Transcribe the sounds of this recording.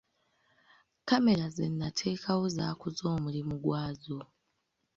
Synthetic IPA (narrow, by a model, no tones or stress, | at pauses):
kame̞ɾazenːatʰe̞ːkʰawo̞za̰ːkuzo̞ːmulimuɡwaːzo